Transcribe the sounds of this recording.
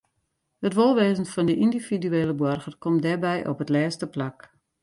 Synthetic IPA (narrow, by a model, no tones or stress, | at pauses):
hətʋolˠʋeːzənfɔndəʔindividyeːləbwɔrɣərkɔmdɛbɛjʔɔ̰pətlɛːstəplak